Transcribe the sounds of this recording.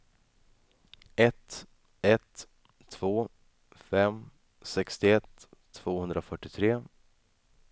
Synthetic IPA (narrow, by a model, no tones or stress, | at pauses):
ɛt̪ | ɛt̪ʰː | v̥oː | fɛm | sɛkst̪ɪɛt̪ʰː | v̥oːhɵnd̪ɾʔafœʈːɪt̪ʰɾeː